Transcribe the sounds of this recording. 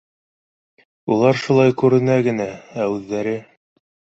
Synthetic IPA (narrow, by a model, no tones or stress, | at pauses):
ulˠɑɾʃulˠɑjkʉɾɘ̆næɡɘ̆nææʉðːæɾɘ